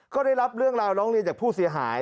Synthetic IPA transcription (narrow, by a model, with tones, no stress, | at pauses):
kɔː˥˩da˥˩jɾa˦˥p̚ɾɯ˥˩əŋɾaː˧wɾɔː˦˥ŋɾi˧nt͡ɕaː˨˩kpʰuː˥˩si˨˩˦ɐɦa̰ː˩˦j